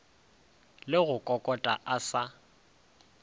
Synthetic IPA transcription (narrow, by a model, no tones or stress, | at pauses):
lɪɣʊkʼɔkʼɔtʼa̰ʔasa